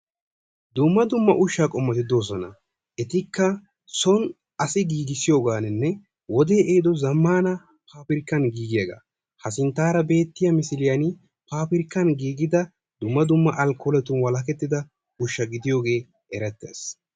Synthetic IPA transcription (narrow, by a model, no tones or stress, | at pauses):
d̪ʊmːɐd̪ʊmːɐʔʊʃːaːkʼɔmːɐt̪ɪd̪o̞ːs̬ɔnɐ̰ | ʔɛt̪ɪkːɐ | sɔn | ɐsɪɡiːɡɪsɪjoːɡaːnɪnːɛ | wɔd̪eːʔeːd̪ɔzɐmːaːnɐ | pʰaːpɪɾkːɐnɡiːɡɪjɐɡa̰ː | hɐsɪnt̪aːɾɐbe̞ːt̪ːɪjɐmɪsɪlɪjɐn | paːpɪɾkːɐnɡiːɡɪd̪ɐ | d̪̥ʊmːɐd̪ʊmːɐʔɐlkɔlɛt̪ʊnwɐlɐk̬ɛt̪ːɪd̪ɐ | ʊʃːɐɡɪd̪ɪjo̞ːɡe̞ː | ʔɛɾɛt̪ːḛːs